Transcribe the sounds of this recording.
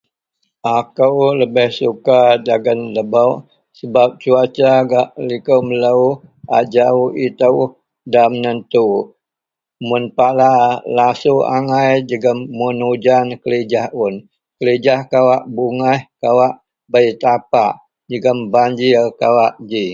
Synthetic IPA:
ʔakəwləbɛhsukad͡ʒaɡənləbəwʔ | səbap̚t͡ʃuat͡ʃaɡaʔlikəwmələuʔa̰d͡ʒauit̪əw | damənənt̪u | mʊnpalalasua̰ŋajd͡ʒəɡəmːunud͡ʒankəlid͡ʒahun | kələd͡ʒahkawaʔbuŋahkawaʔ | bəit̪apaʔ | d͡ʒəɡəmbaɲd͡ʒirkawaʔd͡ʒi

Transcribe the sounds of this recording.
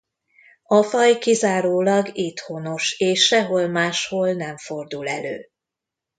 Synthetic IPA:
ɒfɒjkizaːɾoːlɒɡit̪hono̞ʃeːʃːɛɦolmaːʃholnɛɱfo̞rd̪ulɛ̰lø̰ː

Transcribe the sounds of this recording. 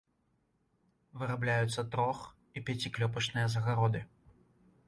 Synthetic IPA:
vɨɾablʲajut̪sːɐt̪ɾɔx | ipʲat͡sʲiklʲɔp̬ɐt͡ʂnɨjɐzɐɣaɾɔd̪ɨ

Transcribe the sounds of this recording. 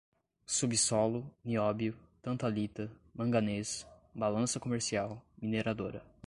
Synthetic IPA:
subisɔlʊniɔbiʊt̪ɐ̃nt̪alit̪ɐmɐ̃ŋɡɐnesbalɐ̃sɐkomeɾsiawmineɾad̪oɾɐ

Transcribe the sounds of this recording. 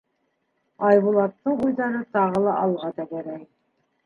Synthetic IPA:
ɑjβulˠɑt̪ːɤɴujðɑɾɤt̪ɑʁɤlˠɑʔɑlˠʁɑd̪ɑkæɾæj

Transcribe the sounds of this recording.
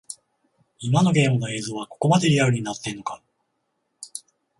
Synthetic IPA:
imano̞ɡʲe̞ːmɯ̟no̞e̞ːzo̞ːβakoko̞mat̪e̞ɾʲiaɾɯ̟ɲ̟inat̪ːẽ̞nːoka

